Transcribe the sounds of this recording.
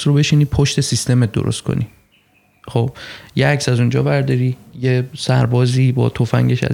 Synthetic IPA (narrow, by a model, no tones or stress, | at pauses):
sɾobe̞ʃiːniːpʰoʃt̪e̞sist̪emet̪̚d̪o̰ɾo̰st̪̚kʰo̰ni | χob̥̚jeæksæzund͡ʒɒːbæɾd̪ɒɾijesæɾbɒːziːbɒ̰ːt̪ʰofæ̰ŋɟeʃæ̰